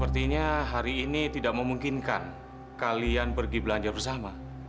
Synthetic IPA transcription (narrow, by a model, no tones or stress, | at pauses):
əpərt̪iɲaɦaɾiːnit̪idaʔ̚məmuŋkinka̰n | kalianpərɡibəlaɲd͡ʒarbərsama